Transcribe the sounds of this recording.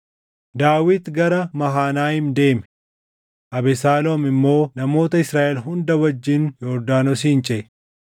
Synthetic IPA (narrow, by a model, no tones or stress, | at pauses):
d̪aːwɪd̪ɡɐɾɐmɐɦaːnaːhɪnd̪e̞ːmɛ | ʔɐbɛsaːlomɪmːo̞ːnɐmo̞ːt̪ɐɪsɾaːʔɛlɦʊnd̪ɐwɐd͡ʒːɪnjɔɾd̪aːnɔsiːnt͡ʃʼɛʔ